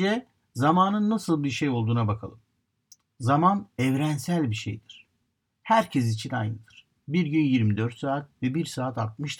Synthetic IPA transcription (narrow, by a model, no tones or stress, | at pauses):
d̪ɛ | zamaːnɯnːasɯlˠbiɾʃejo̞lˠd̪uːnabakʰa̰lˠɯm | zamanɛvɾɛnsælʲbiʃḛjd̪iɾ̥ | hæɾcʰɛs̬it͡ʃʰina̰j̪ɯd̪ɯɾ̥ | biɾɟynjiɾmid̪øɾt̪saːt̪̚vɛbiɾsaːt̪at̪̚mɯʃt̪ʰɯ